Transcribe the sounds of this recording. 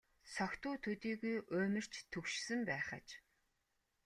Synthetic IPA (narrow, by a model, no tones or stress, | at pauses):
sɔkt̪ʊːt̪ʰɵt̪iːɣujʔʊːmɘ̆r̥t͡ɕt̪ʰɵkʃsɘ̆mpæːχə̰̆t͡ɕ